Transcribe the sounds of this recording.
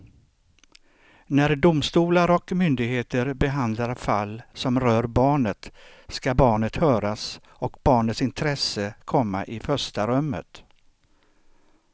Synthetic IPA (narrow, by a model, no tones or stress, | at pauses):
næɾɖ̪ʊmst̪uːlaɾɔkmʏnd̪ɪɡɦeːt̪əɾbɛɦand̪laɾfalːsɔmɾœːɾbɑːɳət̪ | skabɑːɳət̪hœːɾas | ɔkbɑːɳət̪sɪnt̪ʰɾɛsəkʰɔmːa̰ʔɪfœʂʈaɾœmːə̰t̪